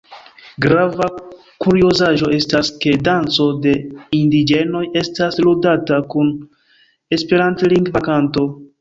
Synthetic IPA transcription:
ɡɾava | kuɾio̞zaʒo̞e̞staske̞dant͡so̞de̞indid͡ʒe̞no̞je̞stasludatakun | e̞spe̞ɾantliŋɡvakanto̞

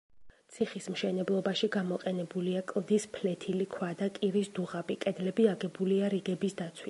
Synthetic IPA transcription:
sʰiχismʃɛnɛblˠɔbaʃiɡamɔqʼɛnɛbuliakʼlˠd̪ispʰlɛt̪ʰilikʰwad̪akʼiɾisd̪uʁabikʼɛd̪lɛbiaɡɛbuliaɾiɡɛbisd̪at̪sʰwi

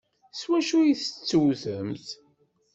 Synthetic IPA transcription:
swæʃujiθət͡sːuwθəmθ

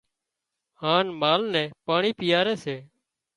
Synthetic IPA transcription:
haːnmaːlnɛ̃ːpaːɳiːpɪjaːɾɛːseː

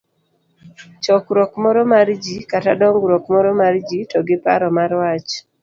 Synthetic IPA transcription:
t͡ʃɔkɾɔkmɔɾɔmaɾd͡ʒikatadɔŋɡɾɔkmɔɾɔmaɾd͡ʒitɔɡɪpa̰ɾɔmaɾwat͡ʃ

